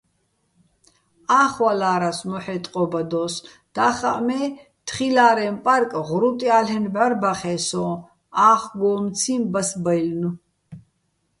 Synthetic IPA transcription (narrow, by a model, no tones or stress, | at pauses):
aːχwalaːɾasmɔħɛt̪ʼqʼɔbad̪ɔːs | d̪̥aːχaʔmɛ | t̪χilaːɾɛmpʼaɾkʼʁɾut̪ʼialɛnbʕarbaχɛːsɔː | aːχɡɔːmt͡sʰimbasbajlnu